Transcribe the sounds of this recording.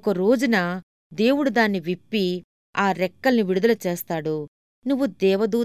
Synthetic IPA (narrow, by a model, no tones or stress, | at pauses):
kɐɾo̞ːd͡ʒunɐ | d̪e̞ːwuɽud̪aːnːiʋipːi | aːɾɛkːɐlniʋiɽud̪ɐlɐt͡ʃeːst̪aːɽu | nuʋːud̪ɛːʋɐd̪uː